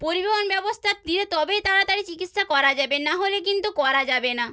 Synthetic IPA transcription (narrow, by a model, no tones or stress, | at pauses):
poɾibeɦonbɛbost̪ʰaɾd̪iɾet̪ɔbet̪aɾat̪aɾit͡ɕikit̪ʃakɔɾad͡ʑabenaɦolek̬int̪ukɔɾad͡ʑabena